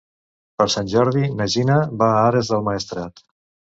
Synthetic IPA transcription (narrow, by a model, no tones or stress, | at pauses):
pəɾsanʲʒɔɾðinəʒinəβaaɾəzðəlˠmaːst̪ɾat̪